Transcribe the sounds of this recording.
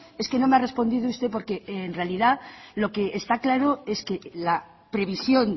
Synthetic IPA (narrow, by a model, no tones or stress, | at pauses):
e̞ske̞no̞meare̞spo̞nd̪iðoust̪e̞p̬o̞ɾke̞nre̞aliðalo̞ke̞ʔːst̪aklaɾo̞e̞ske̞la | pɾe̞βisjo̞n